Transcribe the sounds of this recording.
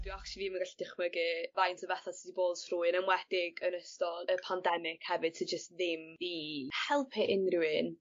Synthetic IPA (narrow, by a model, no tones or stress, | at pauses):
d̥wɨakʃlvimənɡaɬd̥ɪχməɡɪvajntʰɔvɛθasidiboːd̥sruːɨnəmwɛd̥ɪɡənəstɔləpʰandɛmɪkʰhɛvɨd̚tʰəd͡ʒəstðɪmðihɛlˠpʰɛʔɪnrɪwɪn